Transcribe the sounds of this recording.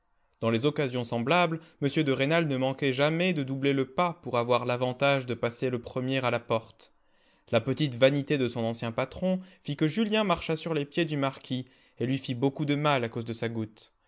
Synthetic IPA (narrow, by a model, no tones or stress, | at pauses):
d̪̥ɑ̃lezɔkazjɔ̃sɑ̃blablməsjød̪əʁenalnəmɑ̃kɛʒamɛd̪əd̪ubleləpapuʁavwaʁlavɑ̃t̪aʒd̪əpaseləpχəmjɛʁalapɔʁt̪ | lapət̪it̪vanit̪ed̪əsɔ̃nɑ̃sjɛ̃pat̪χɔ̃fikəʒyljɛ̃maʁʃasyʁlepjed̪ymaʁkʲʰi | elɥifibokud̪əmalakozd̪əsaɡut̪